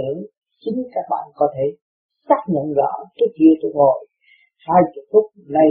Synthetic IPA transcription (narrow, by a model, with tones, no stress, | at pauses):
i˨˩˦n | t͡ɕi˨˦ŋkaː˦˥k̚ɓa̰ː˧˨nkɔ˨˦t̪ʰe˧˩ | saː˦˥k̚ɲə̰˧˨nzə̰ː˧˩t͡ɕu˦˥ək̚ki˧ət̪u˧˩ŋo˨˩j | haː˧jt͡ɕṵ˧˩fʊ˦˥t̚na˧